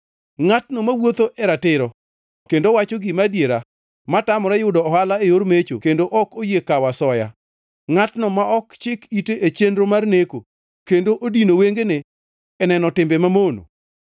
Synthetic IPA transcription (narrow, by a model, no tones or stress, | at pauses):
ŋatnɔmawot̪oʔɛɾatɪɾɔ | kendowat͡ʃɔɡɪmadjeɾa | matamɔɾɛjʊdɔːhalaejoɾmet͡ʃokendoʔɔkojekawasɔja̰ | ŋatnɔmaɔkt͡ʃɪkiteʔet͡ʃendɾomarneko | kendoʔodinoweŋɡeneː | nɛnɔtɪmbemamono̰